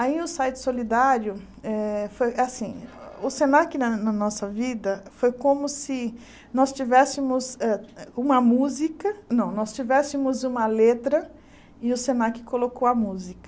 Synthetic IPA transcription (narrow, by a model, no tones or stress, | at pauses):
aiʊsajt͡ʃ̪ɪ̥solid̪aɾjʊ | ɛfojʔasĩʊsẽnakinɐnɐnɔsɐvid̪ɐfojkõmʊsɪ | nɔst͡ʃivɛsɪmʊzɛũmɐmuzikɐnɐ̃w̃nɔst͡ʃivɛsɪmʊzũmɐlet̪ɾɐ | ɪʊsẽnakɪ̥kolokowɐmuzikɐ